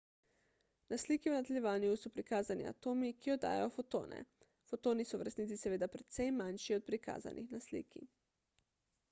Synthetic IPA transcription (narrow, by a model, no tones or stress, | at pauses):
nasliːkiwnad̪elʲjɛʋaːnijusɔpɾikaːzanḭa̰t̪oːmikijɔd̪a̰ːjɛ̰jɔfot̪o̰ːnʔɛ̰ | fot̪oːnisɔwɾɛst̪niːt̪isɛʋeːd̪apɾɛt̪sɛjmanʃiɔt̪̚pɾika̰ːza̰nʔixnaslḭːkḭ